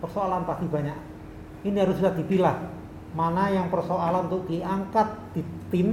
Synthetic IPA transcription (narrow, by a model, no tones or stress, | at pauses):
pərsoalanpast̪ibaɲaʔ | ʔiniɦaɾʊsbisahd̪i̤pilah | manajaŋpərsoalannt̪ʊʔ̚d̪̥iaŋkat̪̚d̪̥it̪ɪm